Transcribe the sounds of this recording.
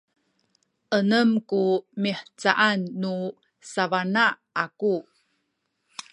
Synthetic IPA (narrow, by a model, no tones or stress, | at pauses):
ʔənəmkumiħt͡sa̰ʔanːu | savanaaku